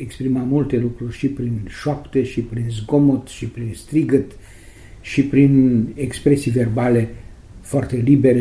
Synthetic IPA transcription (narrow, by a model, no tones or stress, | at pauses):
ekspɾimamult̪e̞lukɾurʲʃipɾinʃoapt̪e̞ʃipɾinzɡo̞mot̪ʃipɾinst̪ɾiɡət̪ | ʃipɾinekspɾesijve̞rbale̞ | foart̪e̞libeɾe